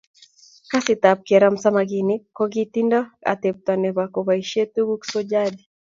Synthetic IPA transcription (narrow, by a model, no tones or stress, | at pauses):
kasitap̚kɛɾam̩samaɡinikɔɡitindaa̰tɛp̚tanɛβakɔβaiʃɛtuɡuksɔd͡ʒadi